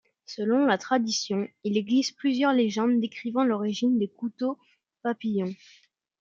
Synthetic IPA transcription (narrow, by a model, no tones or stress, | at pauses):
səlɔ̃lat̪χad̪isjɔ̃ileɡlizplyzjœʁleʒɑ̃d̪ːekχivɑ̃lɔʁiʒind̪ekut̪o | papijɔ̃